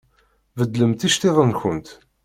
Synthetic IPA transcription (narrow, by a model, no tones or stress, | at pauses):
vəd̪ləmt̪iʃt̪eðˤənçənt̪